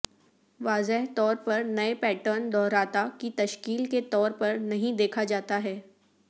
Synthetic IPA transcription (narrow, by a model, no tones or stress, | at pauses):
ʋaːzɪɦt̪ɔːɾpɐɾnɐepɛːʈəɾnd̪ɔːɾaːt̪akit̪ɐʃkiːlket̪ɔːɾpɐɾnɐɦĩd̪eːkʰad͡ʒaːt̪aɦɛː